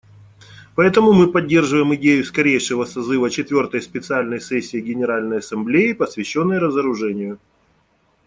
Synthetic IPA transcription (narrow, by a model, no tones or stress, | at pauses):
pɐɛt̪əmʊmɨpɐdʲːe̞rʐɨvəjɪmɪdʲejʊskɐɾʲejʂɨvəsɐzɨvət͡ɕɪt̪vʲo̞rt̪əjspʲɪt̪sɨalʲnəjsɛsʲːɪːɡʲɪnʲɪɾalʲnəjɐsɐmblʲejɪpəsvʲɪɕːo̞nːəjɾəzəɾʊʐɛnʲɪjʊ